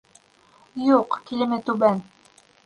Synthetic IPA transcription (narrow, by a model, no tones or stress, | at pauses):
juqkilɘ̆mɘt̪ʉbæn